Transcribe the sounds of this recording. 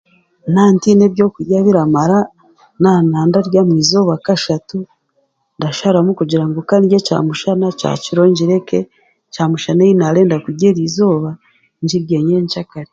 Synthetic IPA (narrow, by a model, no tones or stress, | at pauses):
naːntinebjo̞ːkuɟaβiɾamaɾa | nanaːndaɾɟamwiːzo̞ːβakaʃatu | ndaʃaɾamukuɟiɾaŋɡokaniɟeca̰ːmuʃanat͡ʃa̰t͡ʃiɾoɲɟiɾe̞ke | t͡ʃaːmuʃanajinaɾe̞ːndakuɟeɾiːzo̞ːβa | ɲd͡ʒiɾɟeɲeɲt͡ʃakaɾe